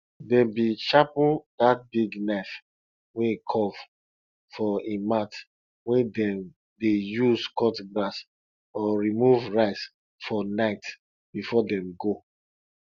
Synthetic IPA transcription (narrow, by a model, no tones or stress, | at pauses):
dɛ̃bit͡ʃapdat̚biɡnaɪf | wɛ̃kʰɔv | fɔĩmat | wɛ̃dɛ̃m | dejuzkɔtɡlas | ɔɹimuvɹaɪs | fɔnaɪt | b̥ifɔdɛ̃mɡo